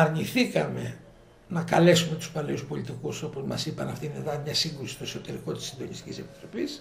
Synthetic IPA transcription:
ɐɾɲiθikɐme̞ | nɐkɐle̞sume̞t̪u̥spɐleuspo̞lit̪ikuso̞po̞zmɐ̰sipɐnɐft̪ineðɐnmɲɐsiŋɡɾusi̥st̪o̞eso̞t̪e̞ɾiko̞t̪i̥sind̪o̞nist̪i̥cʲḭse̞pi̥t̪ɾo̞pis

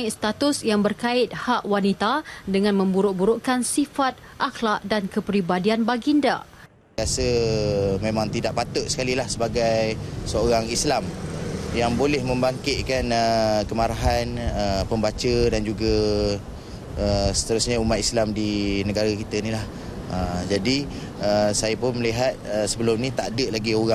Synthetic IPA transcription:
iʔst̪at̪ʊsjaŋbərkaɪt̪̚haʔwanit̪adəŋãnmə̃mbuɾʊʔ̚buɾʊʔkansifat̪̚ | ʔaxlaʔdankəpɾibadianbaɡinda̰ | iasə | mẽmãŋt̪idaʔpat̪ʊʔsə̥kalilahsəbaɡajsəoɾaŋislamjaŋbolɛhmə̃mbaŋkɪt̪̚kanəkəmaɾaɦanəpəmbat͡ʃədand͡ʒuɡa | əsə̥t̪əɾusɲəumat̪islamdinəɡaɾakit̪ənilah | əd͡ʒadi | əsajapʊnməliɦat̪̚əsəbəlʊmnĩt̪aʔdəʔlaɡioɾa

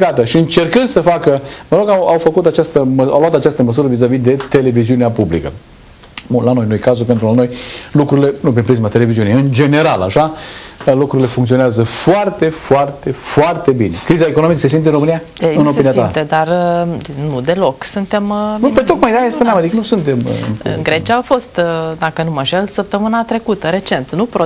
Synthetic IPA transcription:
kat̪əʃiɨnt͡ʃe̞rkɨnd̪̥səfakəməɾo̞ɡawawfəkut̪at͡ʃast̪əməawloat̪at͡ʃast̪əməs̬uɾəvizavid̪e̞t̪e̞le̞viziuneapublḭkə̰ | ulano̞jnojkazupent̪ɾulano̞jlukɾuɾile̞nup̬empɾizimat̪e̞le̞viziunejɨnd͡ʒe̞ne̞ɾala̰ʃalukɾuɾile̞fuŋkt̪sio̞neazəfoart̪e̞foart̪e̞foart̪e̞bine̞kɾizaekono̞mikəse̞s̬int̪eɨnɾomɨnijḁ | eɨnoiniat̪at̪ed̪ar | nud̪e̞lo̞ksunt̪e̞mnupet̪o̞kmajd̪eajaspuneamad̪ikənusunt̪e̞m̰ɡɾe̞t͡ʃiaafo̞st̪d̪akənuməʒelsəp̚t̪əmɨnat̪ɾe̞kut̪əɾe̞t͡ʃe̞nt̪nupɾo

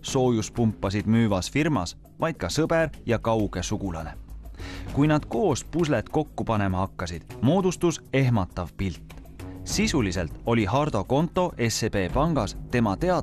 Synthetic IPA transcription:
so̞ːjuspumpːˑɑs̬id̪̥myːvɑsfirmɑ̰s | vɑjd̪̥̚kɑsɤb̥eɾjɑkɑwɡ̥e̞suɡ̥ulɑ̰ne̞̰ | kujnɑd̪̥ko̞ːspus̬let̪ko̞kːupɑne̞mɑhɑkːɑsid̪̥mo̞ːd̪̥ust̪use̞ɦmɑt̪ːˑɑvpilt̪ːˑ | sisulise̞lt̪ˑo̞lʲiɦɑrd̪̥o̞ko̞nt̪ːˑo̞ʔe̞sepe̞ːpɑŋɡ̥ɑst̪e̞mɑt̪e̞ɑ

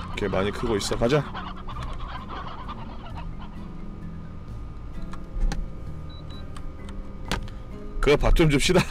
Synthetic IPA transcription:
kemaɲikʰɯɡois͈ʌkʰad͡ʑa | kɯɡʌpatʰumd͡ʑɯp̚ɕ͈ida

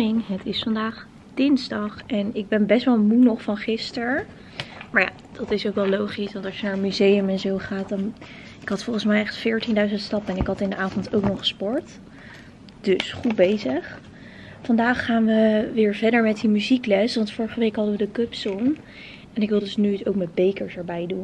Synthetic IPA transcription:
ɪŋɦətɪsfɑndaːχ | d̥ɪnzdɑχɛnɪɡ̚bɛnbɛstʋɛlˠmunɔχfɑnχɪstəɹ | maːɹja̰ | d̥ɑtɪsowkʋɛlˠlowχisʋɑntɑlʃjənaːɹənmyzejəmɛnzowχaːtdɑn | ɪkɦɑtfɔlˠχən̩smɛjɛχtfɪːɹtindœɥzəntstɑpɛnɪkɦɑtɪndəʔaːvɔntowknɔχspɔɹt | d̥ɵsχut̚bejzəχ | fɑndaːχːaːnʋəʋɪːɹvɛdəɹmɛt̚dimyziklɛsʋɑntfʊːɹəχəʋejkɦɑdəʋədəkɵpsɔn | ɛnɪkʋɪlˠdɵsnytowkmɛd̚bejkəɹsɛɹbɛjdun

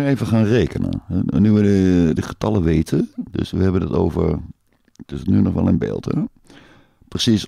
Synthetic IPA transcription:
eːvəχaːnreːkənə̰ɛnyʋədədəχə̥tɑləʋeːtʰədø̰sʋəɦɛbəndɔto̰ːvə̰r | tɪsətnynɔχʋɛ̰lˠənbɪ̰ːlˠtʰə | prəsis

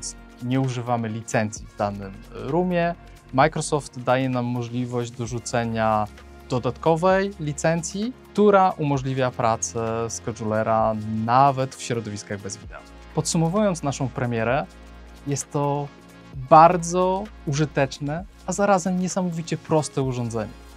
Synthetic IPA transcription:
ɛnt̪s | ɲɛuʐɘvamɘlʲit̪sɛnt̪sʲjivd̪anɘmɾumʲjɛ | majkɾɔsɔft̪d̪ajɛnamːɔʐlʲivɔʑd͡ʑd̪ɔʐut̪sɛɲa | d̪̥ɔd̪at̪kɔvɛjlʲit̪sɛnt̪sʲjikt̪uɾaʔumɔʐlʲivʲjapɾʔat̪sɛskɔʐulɛɾanavɛt̪fɕɾɔd̪ɔvʲiskaɣbɛzvʲid̪ɛ̰u | pɔt̪sumɔvujɔnt̪snaʂɔ̃w̃pɾɛmʲjɛɾɛ | jɛst̪ːɔ | baɾd̪zɔ | uʐɘt̪ɛt͡ʂnɛ | azaɾazɛmɲɛsamɔvʲit͡ɕɛpɾɔst̪ɛuʐɔ̃nd̪zɛɲɛ̰

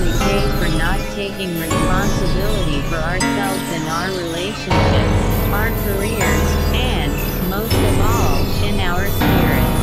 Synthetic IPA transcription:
ipʰeɪfə˞nətʰeɪkɪ̃ŋɹɨspɑ̃nsɨbɪlˠəɾifə˞ə˞sɛlˠvzɨ̃naʊə˞ɹileɪʃɨ̃nʃɪpsʊə˞kʰə˞ɪɹzɨ̃n | moʊstʌvɔlˠɪ̃naʊə˞spɪɹɪ̰t

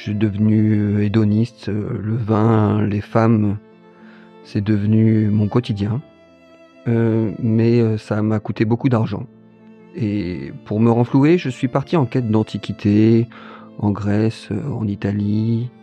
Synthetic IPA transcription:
sɛd̪əvnyøed̪ɔnist̪øləvɛ̃lefam | sɛd̪əvnymɔ̃kɔt̪id̪jɛ̃ | ømɛøsamakut̪ebokud̪aʁʒɑ̰̃ | epuʁməʁɑ̃flueʒəsɥipaʁt̪iɑ̃kʲɛt̪̚d̪ɑ̃t̪ʰikʲit̪ʰe | ɑ̃ɡʁɛsø̰ɑ̰̃nit̪ali

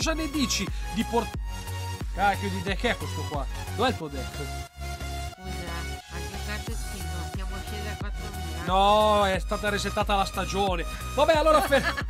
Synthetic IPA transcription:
zanːed̪iːt͡ʃid̪iport̪ | akod̪id̪ɛakiɛkːwest̪okwad̪ovɛlt̪uod̪ɛt̪ːo | iaaketat̪eskinod̪jaːmoakjed̪eɾakwat̪ːɾovinɔɛst̪aːt̪aɾizet̪ːaːt̪alast̪ad͡ʒoːnevabɛalːoːɾape

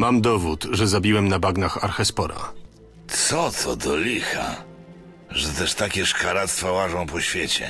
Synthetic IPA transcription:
mamd̪ɔvut̪ʐɛzabʲiwɛmnabaɡnaxa̰ɾxɛspɔɾa̰ | t̪sɔt̪ʰɔd̪ɔlʲixa̰ | ʐɛt̪ɛʂt̪akʲɛʂkaɾat̪st̪fawaʐɔ̃w̃pɔɕfʲjɛt͡ɕɛ̰

